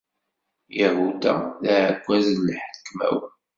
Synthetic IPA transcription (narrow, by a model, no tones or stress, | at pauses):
jəhud̪æ̰læʕɡʷːæznlːħə̥kːmæ̰wən